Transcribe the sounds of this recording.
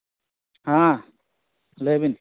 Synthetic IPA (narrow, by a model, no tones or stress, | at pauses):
hã | lebin